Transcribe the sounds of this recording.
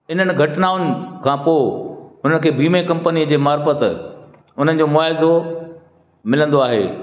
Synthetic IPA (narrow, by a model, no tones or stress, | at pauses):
ɪn̤ənɪ̆ɡʱɐʈɪnaːʊnɪ̆kʰãːpoːʊnənɪkʰeːbiːmekɐ̃mpəniəd͡ʑeːmaːɾfət̪ | ʊn̤ənɪ̆d͡ʑoːmʊaːɦɪzo | mɪlə̃nd̪oaːɦḛː